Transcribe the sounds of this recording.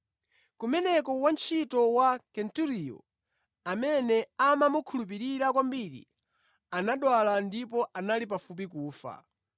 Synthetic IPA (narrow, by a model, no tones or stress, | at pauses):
kumɛnɛkɔwant͡ʃʰitɔwakɛntuɾijɔ̰ | amɛnɛamamukʰulup̬iɾiɾakwambiɾḭ | anaɗwalandipɔʔanalip̬afup̬ikuːfa̰